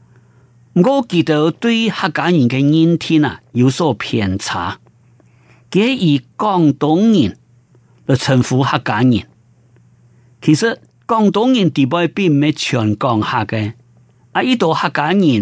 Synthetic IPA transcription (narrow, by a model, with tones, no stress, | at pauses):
m̩˨˩ko˥˧ki˨t̪e˧˦wt̪wi˥˧˦ha˥˩kːa˨˧˦ɲĩ˨˩nke˧ɲi˦nt̪ʰi˦na̰˨˩ju˨˧˦so˥˧˩pʰjɛ˨˩nt͡sʰa̰˨˦ | ki˧˦e˦ʔi˨˩kɔ˥˧ŋt̪ʊ˨˦ŋɲĩ˨˩n | lə˨˩t͡sʰə˨˩nfu˨˦ha˥˧kːa˨˦ɲḭ̃˨˩˨n | kʰi˨sɨ˦˧ | kɔ˥˧ŋt̪ʊ˧˦ŋɲĩ˨˩nt̪i˨˩bɔ˧˨jpi˥˧˨m̩˨me˧t͡ɕʰjɔ˨˩nkɔ˥˧ŋha˥˧˩ke˧ | ʔa˧ʔi˦t̪o˨˧ha˥˧kːa˨˦ɲĩ˨n